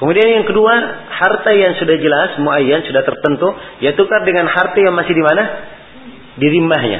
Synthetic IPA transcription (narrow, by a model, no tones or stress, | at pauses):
kəmudianjaŋkəduahart̪ajaŋsudahd͡ʒəlasmoajansudaht̪ərt̪ənt̪uijat̪ukardəŋanhart̪ajaŋmasɪhdimana | diɾimaɦɲa̰